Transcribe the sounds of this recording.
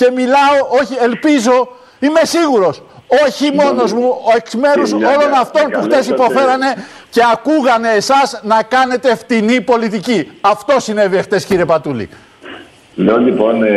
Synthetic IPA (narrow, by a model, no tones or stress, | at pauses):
ce̞milɐo̞ʔo̞çie̞lpizo̞ | ime̞siɣuɾo̞so̞çimo̞no̞zmuoe̞ksme̞ɾusolo̞nɐft̪o̞nppuxt̪e̞sipo̞fe̞ɾɐne̞ce̞ɐkuɣɐne̞ːsɐznɐkɐne̞t̪e̞ft̪inipo̞lit̪iciɐft̪osine̞viext̪e̞sciɾiepɐt̪ulḭ | leolipo̞n